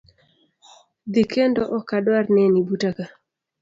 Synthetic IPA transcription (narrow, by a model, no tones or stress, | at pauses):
d̪ikʰendɔʔɔkadwarnɛnibutaka